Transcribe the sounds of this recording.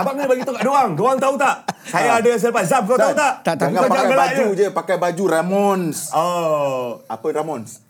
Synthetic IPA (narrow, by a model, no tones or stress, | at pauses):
abaʔŋənbaɡit̪ukaʔdoaŋdoaŋt̪aut̪aʔkajaadas̬aləpazap̚kat̪aut̪aʔt̪ad͡ʒaɡəlad͡ʒəud͡ʒəpakajbad͡ʒuɾamɔnsɔ | a̰pəɾamɔns